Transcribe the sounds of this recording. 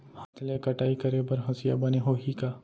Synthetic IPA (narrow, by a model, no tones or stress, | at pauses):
hɐt̪ʰlekɐʈaːikɐɾebɐɾɦɐsija̰bɐneɦoːɦikaː